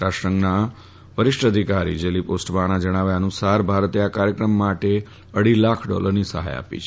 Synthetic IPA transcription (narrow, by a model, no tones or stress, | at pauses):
ʈaʃəŋɡna | ʋəɾɪʃʈəd̪ʱikaɾḭd͡ʒeliposʈʋaɽ̃ad͡ʒəɽ̃aʋjaənũsaɾbʱaɾt̪eakaɾjəkɾəmːaʈe | əɽilakʰɖɔ̰ləɾnisəɦa̰ja̰pḭt͡ʃʰ